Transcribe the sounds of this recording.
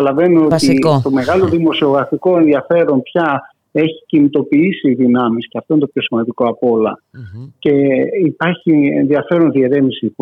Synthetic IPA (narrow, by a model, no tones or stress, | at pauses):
ɐlɐve̞nuot̪it̪o̞me̞ɣɐlo̞ðimo̞sio̞ɣɾɐfiko̞e̞nðiɐfe̞ɾo̞npçɐ | e̞çi̥cinit̪o̞piisiːðinɐmisceɐft̪oinit̪opço̞simɐnd̪iko̞ɐpo̞lɐ̰ce̞ipɐɾçiḛnðiɐfe̞ɾo̞nðieɾe̞misi